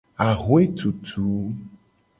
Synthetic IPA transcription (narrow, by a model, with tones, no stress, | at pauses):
a˨ɣwe˦t̪u˨t̪ʰu˨˦